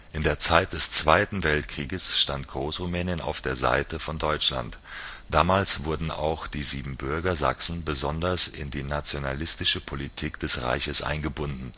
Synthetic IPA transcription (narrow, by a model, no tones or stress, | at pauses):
ʔɪndeːɐt͡saɪt̚d̥ɛst͡sv̥aɪtn̩vɛltkʁ̥iːɡəsʃtantɡ̥ʁoːsʁumɛːnjəna̰ʊfd̥eːɐza̰ɪtəfɔndɔʏt͡ʃla̰ntd̥aːmaːlsv̥ʊɐdn̩a̰ʊxd̥iːziːbm̩bʏɐɡɐza̰ksn̩bəzɔndɐsɪ̰ndiːnat͡sjonalɪstɪʃəpʰolitʰiːkd̥ɛsʁa̰ɪçəsʔa̰ɪnɡəbʊndn̩